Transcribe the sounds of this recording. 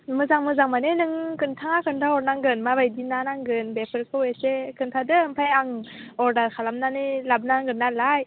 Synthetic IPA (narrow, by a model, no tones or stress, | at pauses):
mɯzaŋmɯzaŋmanenɯŋkɯntʰaŋakʰɯntʰaɔɾnaŋɡɯnmabajdinanaŋɡɯnbepʰɯɾkʰɯwesekʰɯntʰadɯɯmpʰajaŋɔɾdaɾkʰalamnanɯlab̚naŋɡɯnːalaj